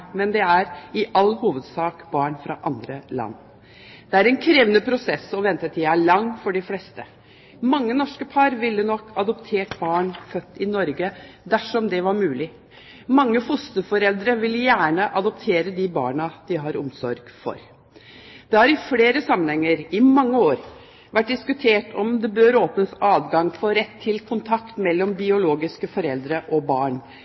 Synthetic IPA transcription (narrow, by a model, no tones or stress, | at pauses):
mɛnd̪ɛæɾɪʔɑlːhuːʋəd̪sɑːkbɑːɳfɾɑ̰ʔɑnd̪ɾəlɑ̰nː | d̪̥ɛæɾɛnkʰɾeːʋənəpʰɾʊsɛsɔʋɛnt̪ət̪ʰɪæɭɑŋːfɔɖɪflɛst̪ə | mɑŋːənɔʂkəpʰɑɾʋɪlːənɔkʰːɑd̪ɔpt̪ʰeːʈbɑːɳfœt̪ːɪnɔɾɡəd̪æʂɔmd̪ɛʋɑɾmʉːlɪ | mɑŋːəfʊst̪əfɔɾɛld̪ɾəʋɪljæːɳəʔɑd̪ɔpt̪ʰeːɾəd̪ɪbɑ̰ːɳɑd̪̥ɪɦɑɾɔ̰msɔɾɡ̥fɔ̰ɾ | d̪̥ɛhɑɾɪfleːɾəsɑmːənhɛŋːəɾɪmɑŋːəoːɾ | ʋæʈ̚ɖ̪ɪskʉt̪ʰeːʈʰɔmd̪ɛbøːɾoːpnəsɑːʋɡɑŋfɔɾɛt̪ʰːɪlkʰʊnt̪ʰɑkt̪mɛlːɔmbɪʊloːɡɪskəfɔɾɛld̪ɾəʔɔbɑːɳ